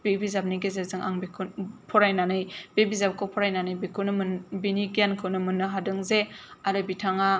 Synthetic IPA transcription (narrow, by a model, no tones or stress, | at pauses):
b̥ebizab̚niɡezezɯŋʔa̰ŋbikʰunpʰɔɾajnanɯjbebizap̚kʰɔpʰɔɾajnanɯjbikʰɯnɯmɯnbiniɡijankʰɯwnɯmɯnːɯɦadɯŋzeaɾɯbitʰaŋa